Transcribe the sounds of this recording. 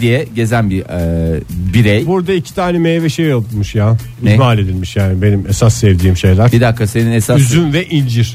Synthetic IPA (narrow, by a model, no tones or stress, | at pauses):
d̪ijɛɟe̞zænbi | biɾejbuɾd̪aicʰi̥t̪ʰaːnɛmejvɛʃejolˠt̪ʰumuʃjaː | ymalʲe̞d̪ilʲmiʃjaːnibe̞nimesasːɛvd̪iːmʃejlʲˠaɾbid̪akʰːase̞ninesayzynvɛʔind͡ʒiɾ̥